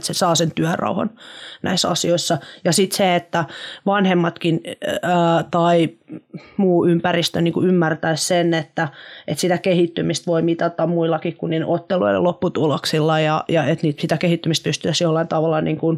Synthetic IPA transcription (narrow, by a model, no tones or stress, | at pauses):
t̪sesɑːsent̪yærɑ̰uhɑ̰nnæ̰isɑ̰sioisːɑjɑsit̪seet̪ːæʋɑnhemːɑt̪kinː | t̪ɑi | muːympærist̪øniːŋkuymːært̪æissenet̪ːæḛt̪sit̪ækehit̪ːymist̪ʋoimit̪ɑt̪ɑmmuilːɑkikkunniːn̰ʔot̪ːeluo̰lḛlopːut̪uloksilːɑjɑjɑet̪niːt̪sit̪ækehit̪ːymist̪̚pyst̪yæsjolːɑint̪ɑʋɑlːɑniːŋkun